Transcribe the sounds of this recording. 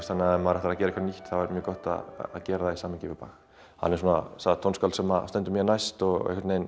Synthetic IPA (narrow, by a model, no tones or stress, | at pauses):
st̪θanaɛmaɾɛht̪ɾaðcɛːɾikvɾniht̪θavɛɾmjœːkɔht̪a̰ð̰ːðcɛːɾaðaisaːmɪcɪvɪpa̰x | ha̰nːɛɾ̥suːna̰sat̪ʰownskalsɛmast̪ɛnt̪ʏmjɛnajst̪ɔɣ̰ḛhkɾt̪nejn